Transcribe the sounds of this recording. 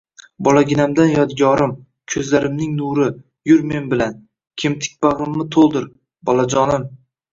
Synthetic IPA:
bɒlˠaɡʲɪnamd̪anjɒd̪ɡʲɒɾɪm | kʲʰɵzlaɾɪmnɪŋnuɾɪ | jʊɾme̞nbɪlan | kʲʰɪmt̪ʰɪ̥k̚ʲbaʁɪmːɪt̪ʰolˠd̪ɪɾ | bɒlˠad͡ʒɒnɪm

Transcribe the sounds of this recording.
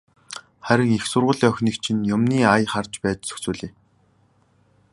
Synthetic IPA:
χæɾʲɪ̆ŋixsʊrʁʊːɮiːœxʲniːkt͡ɕʰĭnjʊmniːajχart͡ɕpæːt͡ɕsɵ̥xt͡suːɮiː

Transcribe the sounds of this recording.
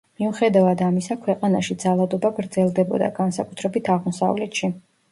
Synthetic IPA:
miuχɛd̪avad̪amisakʰwɛqʼanaʃid̪zalˠad̪ɔbaɡɾd̪zɛlˠd̪ɛbɔ̰d̪a̰ɡansakʼut̪ʰɾɛbit̪ʰaʁmɔsa̰vlɛt̪ʃi

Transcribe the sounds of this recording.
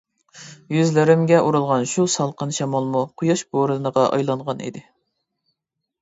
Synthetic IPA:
jyzlɪɾɪmɡʲɛʔuɾulˠʁɑnʃusɑlˠqənʃɑmɑlˠmuqʰʊjɑʃboɾɨnəʁɑʔɑ̰jlˠɑɴʁɑnḭd̪ɪ

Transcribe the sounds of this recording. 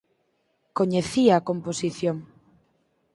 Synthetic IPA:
koɲeθiaːkomposiθjoŋ

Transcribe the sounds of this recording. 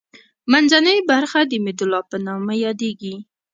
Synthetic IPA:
manzanəjbaɾxad̪əmɪd̪ʊlɑpənɑmajɑd̪eɡi

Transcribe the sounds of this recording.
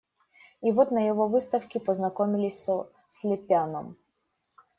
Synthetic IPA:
ivot̪nəjɪvovɨst̪əfkʲɪpəznɐkomʲɪlʲɪsʲsə | sʲlʲɪpʲanəm

